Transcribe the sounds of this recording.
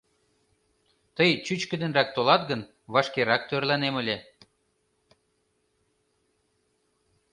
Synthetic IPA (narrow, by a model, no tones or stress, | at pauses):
t̪əjt͡ɕyt͡ɕkə̆d̪ə̆nrɑk̚t̪olɑt̪ɡən | βɑʃkeɾɑk̚t̪ørlɑnemə̆lʲe